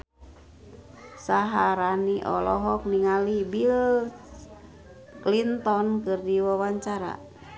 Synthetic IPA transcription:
saɦaɾaniʔɔ̰lɔɦɔk̚niŋalibil | klint̪ɔnkɨrdiwawaɲt͡ʃaɾa̰

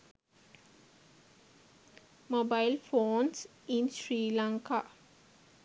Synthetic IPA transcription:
mobajlfoːns | insɾiːlaŋka

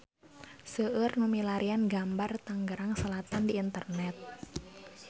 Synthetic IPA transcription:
səərnumilaɾianɡambart̪aŋɡəɾaŋsəlat̪andiːnt̪ərnɛt̪̚

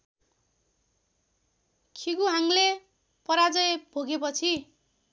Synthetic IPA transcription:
kʰiɡuɦaŋle | pʌɾad͡zʌjb̥ʱoɡepʌt͡sʰi

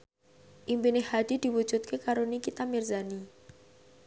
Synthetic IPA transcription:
ʔimbinehad̪̥id̪̥i̤wud̥d͡ʒ̥ut̪̚kʰekaɾonikit̪amirzani

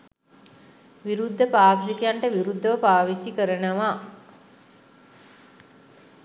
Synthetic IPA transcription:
ʋiɾud̪ʱːəpaːksikijaɳʈəʋiɾud̪ːəʋəpaːʋit͡ʃːikəɾənəʋa

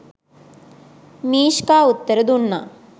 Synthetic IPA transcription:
miːʃkaːut̪ːɐɾɐd̪unːa̰

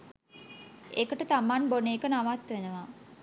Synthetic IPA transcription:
ḛkəʈət̪amanboneːkənaʋat̪ʋenəʋa

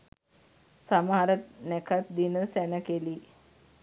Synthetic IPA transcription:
samaːɾət̪̚nekat̪̚d̪inəsænəkeli

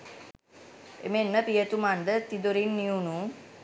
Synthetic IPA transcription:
ḛmenːəpijət̪umanɖ̪ət̪id̪oɾinːiunu

